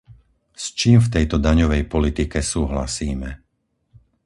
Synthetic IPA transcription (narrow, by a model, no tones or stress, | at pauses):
st͡ʃiːmft̪ɛjt̪ɔd̪aɲɔʋɛjpɔlit̪ikɛsuːɦla̰siːmɛ